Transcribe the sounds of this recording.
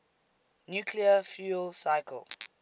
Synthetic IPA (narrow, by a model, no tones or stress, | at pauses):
njuːkʰliəfjulsaɪkə̰lˠ